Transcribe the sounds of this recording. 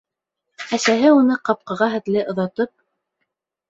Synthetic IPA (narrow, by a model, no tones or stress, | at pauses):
æsæɦɘunɤqɑp̚qɑʁɑɦɘ̆t̪lɘʔŏðɑt̪ɤp̚